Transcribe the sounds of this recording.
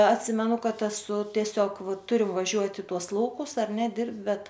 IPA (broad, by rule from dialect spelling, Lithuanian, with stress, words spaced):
ɐtʲˈsʲɪmʲɛnʊ ˈkɐt ɛˈsʊ tʲiɛˈsʲoːk ˈʋɐ ˈtʊrʲɪm ʋɐˈʒʲuɔt ɪ ˈtuɔs ˈlˠɐʊkʊs ɐr nʲɛ ˈdʲɪrpt ˈbʲɛt